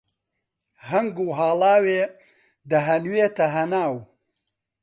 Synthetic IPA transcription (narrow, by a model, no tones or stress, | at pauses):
hɐŋɡuːɦaːlaːweː | d̪ɐɦɐnweːt̪ɐɦɐnaːw